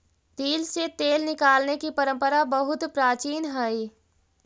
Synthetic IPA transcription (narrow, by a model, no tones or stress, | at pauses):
t̪iːlset̪eːlnɪkaːlnekipəɾə̃mpəɾabəɦʊt̪pɾaːt͡ʃiːnɦəi